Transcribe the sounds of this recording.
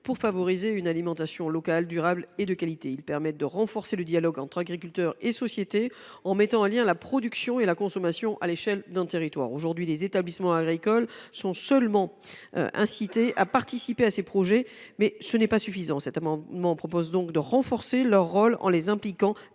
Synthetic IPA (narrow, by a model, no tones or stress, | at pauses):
puʁfavɔʁizeynalimɑ̃t̪asjɔ̃lɔkald̪yʁabled̪əkalit̪eilpɛʁmɛt̪̚d̪əʁɑ̃fɔʁseləd̪jalɔɡɑ̃t̪χaɡʁikʲylt̪œʁesɔsjet̪eɑ̃mɛt̪ɑ̃ɑ̃ljɛ̃lapχɔd̪yksjɔ̃elakɔ̃sɔmasjɔ̃ʔa̰leʃɛld̪ɛ̃t̪eʁit̪wa̰ʁoʒuʁd̪ɥilezet̪ablismɑ̃aɡʁikɔlsɔ̃sœlmɑ̰̃ʔɛ̰̃sit̪eʔapaʁt̪isipeasepχɔʒɛmɛsənɛpasyfizɑ̃sɛt̪amɑ̃d̪mɑ̃pχɔpozd̪ɔ̃kd̪əʁɑ̃fɔʁselœʁːɔlɑ̰̃lezɛ̃plikɑ̃